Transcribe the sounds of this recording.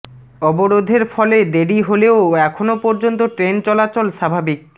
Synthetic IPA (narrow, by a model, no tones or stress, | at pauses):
ɔboɾod̪ʱeɾfɔled̪eɽiɦoleoɛkʰonopɔɾd͡ʑont̪̬oʈɾent͡ɕɔlat͡ɕolʃabʱabik̚